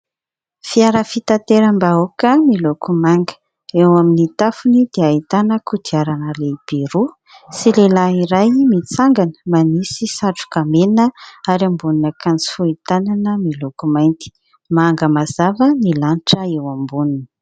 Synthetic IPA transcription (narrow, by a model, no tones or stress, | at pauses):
fiaɾəfit̪ant̪eɾəmbaokəmilokumaŋɡə̥ | ewaminit̪afunid̪eait̪anəkʰud̪iaɾanəleb̥iɾu | silelaiɾajmit͡saŋɡanə̥manisisaʈ͡ʂu̥kamenəaɾambununəkant͡si̥fuit̪ananəmilokumajnt̪i̥ | maŋɡəmazavənilaniʈ͡ʂəewambununi̥